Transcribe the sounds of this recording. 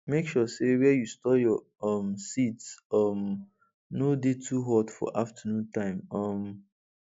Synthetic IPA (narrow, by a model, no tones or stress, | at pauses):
mekʃɔsewɛjustɔjɔ | ʌmsitsʌm | nodetʰuɦɔdfɔ̰ʔaftʰənũntãɪ̃mʌm